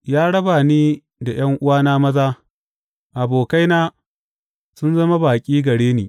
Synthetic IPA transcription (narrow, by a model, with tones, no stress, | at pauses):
jaː˦ɽɐ˦baː˨niː˦ | da˨j̰ɐ˦ŋʔʊ˦waː˦naː˦mɐ˦zaː˦ | ʔa˨boː˨ka˦jnaː˦ | sʊ˦nzɐ˦ma˦baː˨kʲʼiː˦ɡɐ˨ɽeː˦niː˨